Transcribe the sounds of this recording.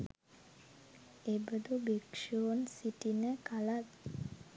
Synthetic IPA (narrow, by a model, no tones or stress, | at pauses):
ebəd̪ubekʂoːnsiʈinəkalat̪